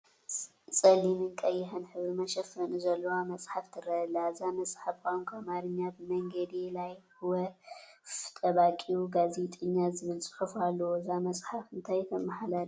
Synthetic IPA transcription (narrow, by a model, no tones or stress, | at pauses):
sʼɐlimɨnkʼɐjːɪħɨnħɨβɾɨmɐʃɐfɐnuzɐlːɐwamɐsʼħaft̪ʰɨɾɐlazamɐsʼħafkʼankʰamaɾɨɲːabɨmɐŋɡɐd̪ilajhɨwɐ | t̪ʼɐβakʼiuɡazet̪ʼɨɲːazɨβɨlsʼɨ̥ħufalːɐwozamɐsʼħafɨnt̪ʰajt̪ʰɐmaħalaɾi